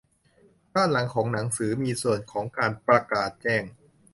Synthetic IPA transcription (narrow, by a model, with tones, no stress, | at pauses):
baː˥˩nla˨˩˦ŋkʰɔː˩˦ŋna˩˦ŋsɯː˩˦miː˧su˨˩ənkʰɔː˩˦ŋkaː˧npɾa˧kaː˨˩t̪̚t͡ɕɛː˥˩ŋ